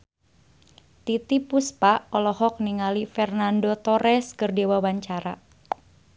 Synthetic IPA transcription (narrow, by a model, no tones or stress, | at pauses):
t̪it̪ipuspaʔɔlɔhɔk̚niŋalifɛrnandot̪ɔɾɛskərdewawaɲt͡ʃaɾa